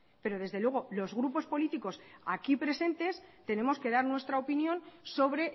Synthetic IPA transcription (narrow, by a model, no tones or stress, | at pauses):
pe̞ɾo̞ð̞e̞zðe̞lwe̞ɣ̞o̞lo̞zɣɾupo̞spo̞lit̪iko̞sa̰kipɾe̞se̞nt̪e̞st̪e̞ne̞mo̞ske̞ðaɾnwe̞st̪ɾaopinjõ̞nso̞βɾe̞